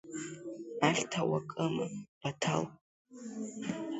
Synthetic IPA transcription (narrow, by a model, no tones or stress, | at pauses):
aχʲtʰawakʼɨmɨb̥atʰa̰l